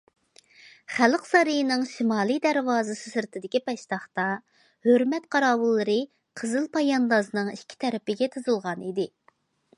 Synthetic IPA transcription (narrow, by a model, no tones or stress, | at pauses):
χælqsɑɾɨjnɨŋʃimɑːlˠɨjd̪æɾwɑːzɨsɨsɨɾt̪ʰɪd̪ɪkʲipɛʃt̪ɑχt̪ɑ | høɾmɛt̪qʰɑɾɑːwɨlˠːɨɾɨ | qʰəzɨlˠpʰɑjɑnd̪ɑzɨnɨŋikʲʰːi̥t̪ʰɛɾɪpɪɡʲɛt̪ʰɨzɨlˠʁɑnid̪ɪ